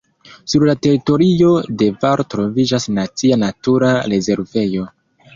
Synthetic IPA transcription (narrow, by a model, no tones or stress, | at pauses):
suɾlate̞ɾito̞ɾio̞de̞vaɾtɾo̞vid͡ʒasnat͡sianatuɾaɾe̞ze̞ɾve̞jo̞